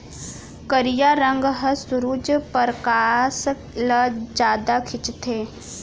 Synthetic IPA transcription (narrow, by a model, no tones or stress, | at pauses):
kəɾijaɾə̃ŋɡɦəsʊɾuːd͡ʒpəɾkaːs | ləd͡ʒjaːd̪akʰɪt͡ʃt̪ʰeː